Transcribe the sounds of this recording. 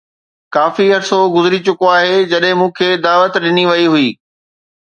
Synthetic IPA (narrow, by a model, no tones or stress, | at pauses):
kaːfiɐɾsoɡʊzɪɾit͡ɕʊkoaːɦeːd͡ʑɐɗɦɪ̃mũːkʰeːd̪aːʋət̪ɗɪniʋɐiɦʊiː